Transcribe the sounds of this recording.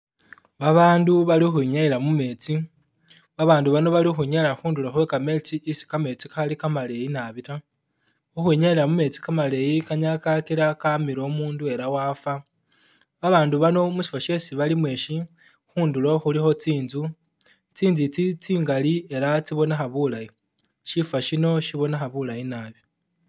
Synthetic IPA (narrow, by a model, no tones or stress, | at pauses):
βaβaːnduβalixwiiɲaiɾamume̞t͡si | βaβaːnduβano̞βalixuɲaeɾaxuːnduloxwe̞kame̞t͡siʔisi̥kame̞t͡sikaxalikamale̞jinaβita | uxwuiɲaeɾamume̞t͡si̥kamale̞jikaɲakakiɾakamiɾo̞muːndue̞ɾawaːfa | βaβaːnduβano̞musi̥fwaʃe̞siβalimwe̞ːʃi | xuːnduloxulixo̞t͡siːnzu | t͡siːnzit͡sit͡siːŋɡalie̞ɾat͡siβo̞naxaβulaji | ʃifaʃino̞ʃiβo̞naxaβulajinaːβi